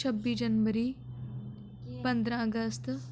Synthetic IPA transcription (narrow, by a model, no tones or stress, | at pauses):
t͡ʃʰɐbːiːd͡ʒɐnʋɐɾiː | pɐnd̪ɾãɐɡɐst̪